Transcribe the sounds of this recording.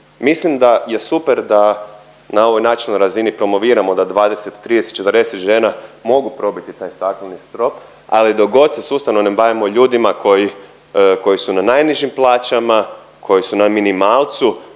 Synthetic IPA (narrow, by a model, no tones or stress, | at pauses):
mislimd̪aje̞supeɾd̪a | nao̞ʋo̞jnaːt͡ʃinnojɾazinipɾo̞mo̞ʋiːɾamo̞d̪ad̪ʋaːd̪e̞set̪ːɾid̪eset̪t͡ʃet̪əɾd̪e̞set̪ʒe̞ːnamo̞ɡupɾo̞bit̪it̪aːjst̪at̪ilnist̪ɾo̞p | a̰lid̪o̞ɡo̞d̪sesust̪aʋnomnembajimo̞ʎuːd̪imako̞ji | ko̞jisunanajniʒimplˠaːt͡ʃama | kʰo̞jisunaminimaːlˠt̪su